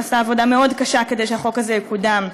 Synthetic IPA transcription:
asaːvo̞d̪ame̞o̞dkaʃake̞d̪e̞jʃeaχo̞kazejekud̪am

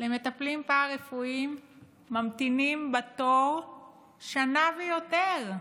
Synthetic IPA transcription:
le̞me̞t̪aplimpaːʁe̞fuimː | amt̪inimbat̪oʁ | ʃanavejo̞t̪eʁ

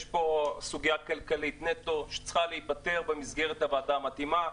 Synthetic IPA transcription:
ʃpo̞suɡijakalkalit̪net̪o̞ʃe̥t͡sχaleipat̪e̞ʁbemizɡeʁet̪havaːdaːmat̪ima

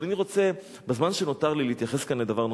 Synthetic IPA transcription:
laniʁo̞t͡se | bezmanʃeno̞t̪aʁlileit̪jaχe̞skanled̪avaʁno

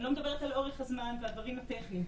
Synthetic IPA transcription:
lomed̪abeʁet̪aloʁeχazmanvead̪vaʁimat̪eχni

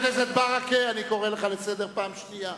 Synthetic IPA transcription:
kezed̪̚baʁakeaniko̞ʁeleχalesed̪eʁpaːmʃnija

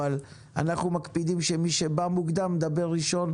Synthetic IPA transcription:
al | a̰naχnumakpid̪imʃemiʃebamukd̪amːd̪abe̞ʁːiʃo̞n

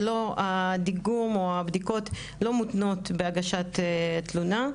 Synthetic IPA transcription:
lo̞ad̪iɡumoabd̪iko̞t | lo̞mutno̞tbeaɡaʃat̪etluna

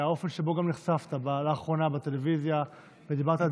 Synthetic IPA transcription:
ao̞fe̞nʃebo̞ɡamniχsaft̪abalaːχʁo̞nabat̪e̞levizja | ved̪ibaʁt̪a

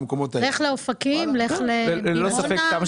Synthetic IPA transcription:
mkomot̪aleχleofakimleχlelosafekːkama

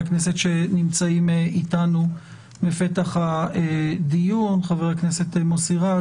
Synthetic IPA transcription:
knese̞tʃe̞nimt͡saimeitanu | mefe̞taχaedijunχaveeaknese̞t̪emosiʁa

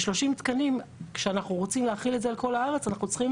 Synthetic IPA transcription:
ʃlo̞ʃimt̪kanimkʃeanaχnuʁo̞t͡simleaχiletdzealko̞laaʁe̞t͡sanaχnut͡sχim

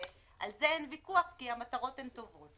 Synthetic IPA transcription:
ʔa̰lzeenvikuaχkiamat̪aʁo̞temt̪o̞vo̞t

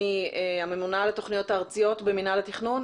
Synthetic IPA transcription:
ieame̞munaleto̞χnijo̞taːʁt͡sijo̞tbeminalatiχnun

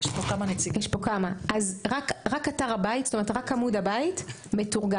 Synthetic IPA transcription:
jʃpokamanet͡sijeʃpo̞kamaʔazʁakʁakataʁabaitstome̞et̪ʁakamudabait | me̞tuʁɡa

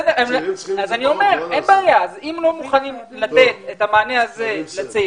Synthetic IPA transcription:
demazanio̞me̞ʁenbeajaazimlo̞muχanim | lat̪e̞t̪et̪amaːneaze̞lat͡si

